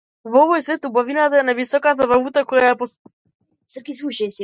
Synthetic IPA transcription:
vɔvɔjsvɛt̪ubavinat̪aɛnavisɔkat̪̬avalut̪akɔjaɛpɔ | səɾkisuʃɛsi

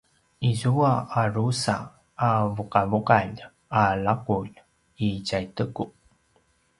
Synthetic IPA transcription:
izuaaɾusaː | vuqavuqan | alakuʎ | iɟajtəku

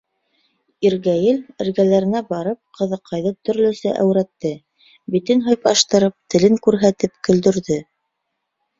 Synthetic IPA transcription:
iɾɡæjɘlɘ̆ɾɡælæɾɘ̆næbɑɾɤp̚qʰɤ̆ðɤ̆qʰːɑjðɤt̪ɵ̆ɾlɵ̆sæʔæ̰wɾæt̪ːɘ | bit̪ɘnɦɤjpɑʃt̪ɤ̆ɾɤp̚t̪ɘ̆lɘŋkʉɾɦæt̪ɘp̚kɵ̆ld̪ɵ̆ɾðɘ

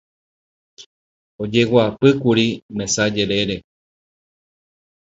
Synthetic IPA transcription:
od͡ʒewapɨkuɾimẽsad͡ʒe̞ɾeɾe̞

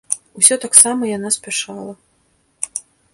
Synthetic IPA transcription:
usʲɔt̪aksamɐjanasʲpʲaʂalˠɐ

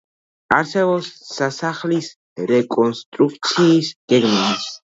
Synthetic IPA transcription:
aɾsɛbɔsːasaχlis | ɾɛkʼɔnst̪ʼɾuk̚ʰt̪sʰiːsɡ̥ɛɾmanis

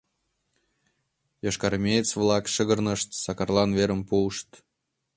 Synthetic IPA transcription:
jɑʃkɑɾmʲet͡svlɑkʃəɣə̆rnəʃt̪sɑkɑrlɑnveɾə̆mpuəʃt̪

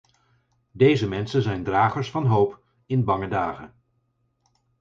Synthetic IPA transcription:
dejzəmɛnsənzɛjndraːχəɹsfɑnɦowp | ɪnbɑŋədaːχə̰n

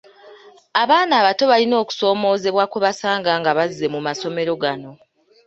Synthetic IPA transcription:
aβaːnaːβato̞βalino̞ːku̥so̞ːmo̞ːze̞βwakoβasaːŋɡaŋɡaβazːe̞mumaso̞me̞ɾo̞ɡano̞

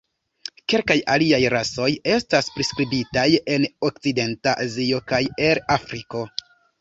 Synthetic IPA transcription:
ke̞lkajaliajɾaso̞je̞staspɾiskɾibitaje̞nok̚t͡side̞ntaʔazio̞kajeɾafɾiko̞

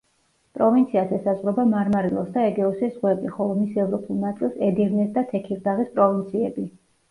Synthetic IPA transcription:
pʼɾɔvint̪sʰiazɛsazʁɾɔbamaɾmaɾilˠɔ̰sd̪aɛɡɛɔsizʁwɛbiχɔlˠɔmisɛvɾɔpʰulˠnat̪sʼilˠsɛd̪ivnɛsd̪at̪ʰɛkʰiɾd̪aʁispʼɾɔvint̪sʰiɛbi

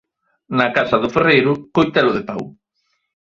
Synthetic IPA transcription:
nɐkasɐðʊferejɾʊkojt̪alʊðepaw

